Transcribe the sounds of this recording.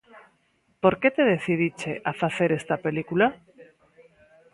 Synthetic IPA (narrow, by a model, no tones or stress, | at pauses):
poɾket̪eð̞eθiðit͡ʃeʔafaθeɾest̪apelikula